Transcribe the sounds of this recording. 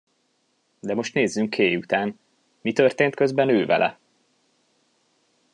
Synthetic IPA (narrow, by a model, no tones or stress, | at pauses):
d̪ɛmo̞ʃt̪neːzːyŋkʰːeːjut̪aːn | mit̪ø̞rt̪eːnt̪kø̞zbɛnøːvɛ̰lʔɛ̰